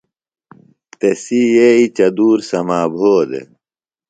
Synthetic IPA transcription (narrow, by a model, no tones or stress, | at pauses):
t̪esijeit͡ɕɐd̪uːɾsɐmaːbʱoːd̪ḛ